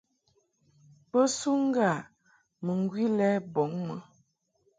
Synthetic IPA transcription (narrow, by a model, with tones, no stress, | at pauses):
pə˦su˦ŋ̩˦ɡa˦˨ | mə˨ŋ˨ɡwi˦lɛ˦bɔ˨˦ŋmə˨